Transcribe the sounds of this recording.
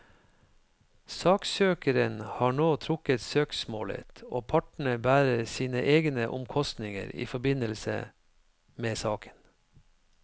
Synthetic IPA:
sɑːksøːkəɾənhɑːɳoːt̪ʰɾʊkət̪søːksmo̰ːlə̰t̪oːpʰɑʈɳ̩əbæːɾəsiːnəʔeːɡnəʔʊmkʰɔst̪nɪŋə̰ɾḭːfɔbɪnəlsə̰ | meːsɑːkʰə̥n

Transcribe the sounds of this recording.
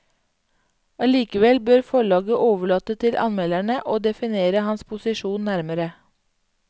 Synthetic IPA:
ʔɑliːkəʋɛlbøːɾfɔɭɑːɡəʔoːʋəɭɑːt̪ət̪ʰɪlʔɑ̰nmɛːlæɳəʔoːd̪ɛfɪneːɾəhɑnspʰʊsɪʃuːnnæɾməɾə

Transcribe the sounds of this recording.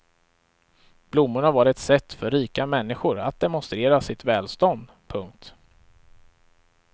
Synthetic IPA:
b̥lʊmːʊɳavaɖɛt̪sɛt̪ːfœɾːiːkamɛnːɪɧʊɾa̰t̪̚d̪ɛmɔnst̪ɾeːɾasɪt̪vɛːlst̪ɔnd̪ | pʰɵŋk̚t̪

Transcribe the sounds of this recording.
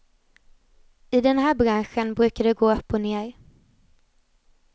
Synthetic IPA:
ɪd̪ɛnhæːɾbɾanɧənbɾʉ̟ːkad̪ɛɡoːœpːɔneːɾ

